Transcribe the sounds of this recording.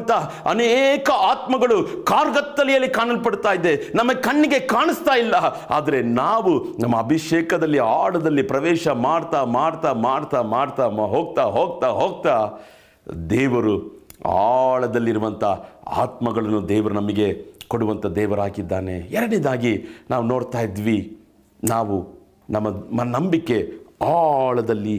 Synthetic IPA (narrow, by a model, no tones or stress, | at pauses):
nt̪ʰɐ | ɐneːkɐaːt̪mɐɡɐɭukaːɾɡɐt̪ːɐlijɐlːikaːnɐlpɐɽt̪aːjid̪ːenɐmɐɡekɐɳːiɡe̞kaːɳist̪aːjilːɐ | a̰ːd̪ɐɾe̞naːʋunɐmːɐːbʱiʂeːkɐd̪ɐlːiaːɭɐd̪ɐlːipɾɐʋɛːʃɐmaːɽt̪amaːɽt̪aːmaːɽt̪amaːɖt̪aɦoːɡ̚t̪aːɦoːɡ̚t̪aːɦoːɡ̚t̪aː | d̪ɛːʋɐɾua̰ːɭɐd̪ɐlːiɾuʋɐnt̪ʰɐa̰ːt̪mɐɡɐɭɐnːud̪ɛːʋɐɾunɐmɐɡe̞koɽuʋɐnt̪ʰɐd̪ɛːʋɐɾaːkid̪ːaːne̞ɛɾɐɽid̪aːɡinaːʋuno̞ːɽt̪aːjid̪ʋi | naːʋu | nɐmːɐmːɐnɐmbikːe̞aːɭɐd̪ɐlːi